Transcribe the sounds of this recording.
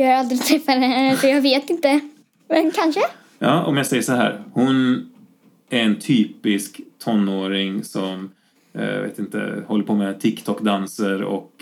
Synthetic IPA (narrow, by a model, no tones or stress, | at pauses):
jɑːaɾald̪ɾɪt̪ʰɾɛfːad̪ɛɛnːəfɔjɑːɡveːt̪ɪnt̪ə | mɛnkʰanʂə | jɑ̰ːʔɔ̰mjɑːsɛjːəʂɔɦæ̰ːɾhʊn | æɾɛnt̪ʰyːpɪskt̪ʰɔnːoːɾɪŋsɔm̰ | vḛːt̪ɪnt̪ə̰hɔlːəɾpʰoːmɛt̪ʰɪkt̪ʰɔkd̪ansəɾɔ̰k